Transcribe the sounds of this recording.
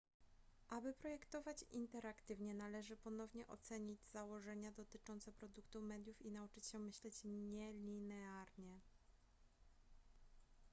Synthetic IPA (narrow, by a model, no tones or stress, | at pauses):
ʔabɘpɾɔjɛkt̪ɔvat͡ɕint̪ɛɾakt̪ɘvɲɛnalɛʐɘpɔnɔvɲɛʔɔt̪sɛɲid͡ʑz̥awɔʐɛɲad̪ɔt̪ɘt͡ʂɔnt̪sɛpɾɔd̪ukt̪umɛd̪jufinaut͡ʂɘt͡ɕɕɛmɘɕlɛt͡ɕɲɛlʲinɛaɾɲɛ